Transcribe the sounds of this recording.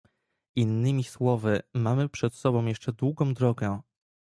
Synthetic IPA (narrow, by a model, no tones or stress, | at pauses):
inːɘmʲiswɔvɘmamɘpʂɛt̪sɔbɔ̃w̃jɛʂt͡ʂɛd̪wuɡɔ̃w̃d̪ɾɔɡɛ